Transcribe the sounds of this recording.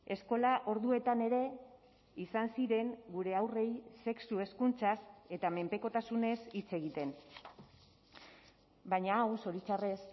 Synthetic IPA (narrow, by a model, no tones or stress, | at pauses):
e̞sko̞laʔo̞ɾðue̞t̪ane̞ɾe̞ | isansiɾe̞ŋɡuɾe̞awre̞jse̞ksue̞skunt͡sase̞t̪ame̞mpe̞ko̞t̪asune̞sit͡se̞ɣ̞it̪e̞n | baɲaːwso̞ɾit͡ʃare̞s